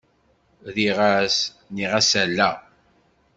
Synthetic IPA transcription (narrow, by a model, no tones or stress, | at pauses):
ðiʁæs | niʁæsælːæ